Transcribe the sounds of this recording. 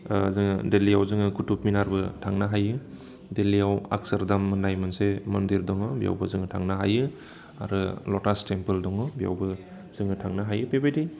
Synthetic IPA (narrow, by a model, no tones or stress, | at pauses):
zɯŋɯdelijawzɯŋɯkutup̚minaɾbɯtʰaŋnaɦajɯ | delijawa̰k̚sɐɾdamːɯnajmansemɐndiɾdɔŋɯbija̰wbɯzɯŋɯtʰaŋnaɦajɯ | aɾɯlɔtastempɯldɔŋɯbija̰wbɯ | z̥ɯŋɯtʰaŋnaɦajɯpebajdi